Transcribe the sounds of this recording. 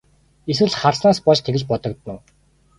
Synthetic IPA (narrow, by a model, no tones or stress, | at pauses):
eswɘ̆ɮχarsnaːspɔʃt̪ʰeɣɘ̆t͡ɕpɔt̪ɞ̆k̚t̪nʊ̆w